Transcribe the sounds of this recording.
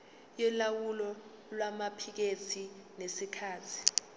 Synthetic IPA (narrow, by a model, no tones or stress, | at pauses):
jɛlawulɔ | lwamapʰik̬et͡sʰinesikʰaːtʰi̥